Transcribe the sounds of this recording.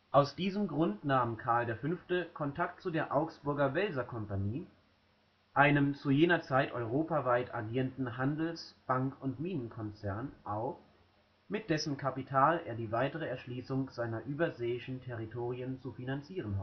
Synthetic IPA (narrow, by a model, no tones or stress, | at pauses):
ʔaʊsd̥iːzəmɡʁʊntnaːmkʰaɐldeːɐfʏnftəkʰɔntʰak̚tt͡sudeːɐʔaʊksb̥ʊɐɡɐvɛlzɐkʰɔmpaniː | ʔaɪnəmt͡sujeːnɐt͡saɪtʔɔʏʁ̞oːpavaɪtʰaɡiːʁəndn̩ɦandl̩sb̥aŋkʰʊntmiːnənkʰɔnt͡sɛɐnʔaʊf | mɪt̚d̥ɛsəm̩kʰapitʰaːlʔḛːɐdiːvaɪtəʁ̞əɛɐʃliːsʊŋz̥aɪnɐʔyːbɐzeːɪʃn̩tʰɛʁ̞itʰoːʁiənt͡sufinant͡siːʁ̞ənɦɔ